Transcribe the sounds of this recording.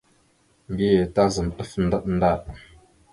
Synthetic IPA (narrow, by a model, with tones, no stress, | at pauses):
m˨bi˦je˨ta˦zə˨mtə˦fn̩˦˨də˦ʔ̚n̩˦da˦˨ʔ̚